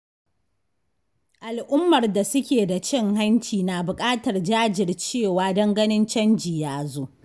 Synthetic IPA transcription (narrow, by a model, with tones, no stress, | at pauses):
ʔa˨lʔʊ˦mːɐ˨rda˨sʊ˦kʲeː˨da˨t͡ʃɪ˦ŋɦa˦nt͡ʃiː˨naː˨bʊ˨kʼaː˦tɐ˨rd͡ʒaː˦d͡ʒɪ˨rt͡ʃeː˦˨waː˨˦dɐ˦ŋɡɐ˦nɪ˦nt͡ʃɐ˦nd͡ʒi˨jaː˦zoː˦